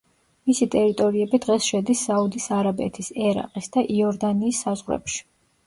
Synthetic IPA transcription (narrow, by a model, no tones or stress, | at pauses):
misit̪ʼɛɾit̪ʼɔɾiɛbid̪ʁɛsʃɛd̪isːaud̪isaɾabɛ̰t̪ʰisɛɾa̰qʼisd̪aʔiɔɾd̪aniːsːazʁɾɛ̰pʃi̥